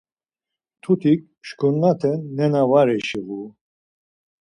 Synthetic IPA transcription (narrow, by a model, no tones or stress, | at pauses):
t̪ʰut̪ʰik̚ʃkʰunːat̪ʰɛnːɛnavaɾɛʃəvu